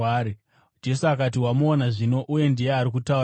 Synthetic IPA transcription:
ɾi | d͡ʒe̞suakatiwamoːnaʐino̞ʔuje̞ndije̞aɾik̬utau

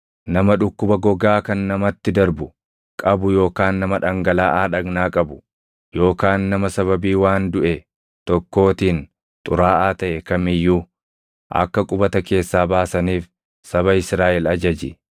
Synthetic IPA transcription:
nɐmɐᶑʊkːʊbɐɡɔɡaːkɐnːɐmɐt̪ːɪd̪ɐɾbʊ | kʼɐbʊjo̞ːkaːnːɐmɐᶑɐŋɡɐlaːʔaːᶑɐɡnaːkʼɐbʊ̥ | jo̞ːkaːnːɐmɐsɐβɐbiːwaːnd̪ʊʔɛ | t̪ɔkːo̞ːt̪iːn | t̪ʼʊɾaːʔaːt̪ɐʔɛkɐmɪjːuː | ʔɐ̰kːɐkʼʊbɐt̪ɐke̞ːsːaːbaːsɐniːf | sɐβɐɪsɾaːʔɛlɐd͡ʒɐd͡ʒɪ

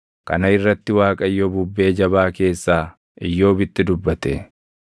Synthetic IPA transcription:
kɐ̰nɐɪrːɐt̪ːɪwaːkʼɐɪjːobʊbːe̞ːd͡ʒɐβaːke̞ːsːaː | ɪjːo̞ːbɪt̪ːɪd̪ʊbːɐt̪ɛ

